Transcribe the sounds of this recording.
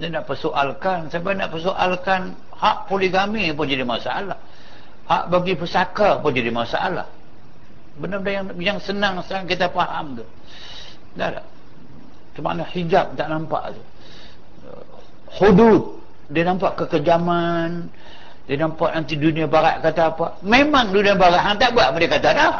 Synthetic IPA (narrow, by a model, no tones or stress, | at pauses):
danaʔpərsoʔalkansabanaʔpəsoʔalkan | haʔpoliɡamipʊnd͡ʒadimasaʔalah | ha̰ʔbaɡipəsakapʊnd͡ʒadimasa̰ʔa̰la̰h | bənəbəndajaŋ | jaŋsənaŋsəaŋkit̪afaha̰mt̪u | da̰da̰ | t͡ʃuma̰nahid͡ʒap̚t̪aʔnampa̰ʔt̪u | hudut̪̚ | dinampaʔkəkəd͡ʒaman | diənampaʔnant̪iduniabaɾa̰ʔkat̪apamemaŋduniabaɾaʔɦat̪aʔbuaʔpʊndikat̪ada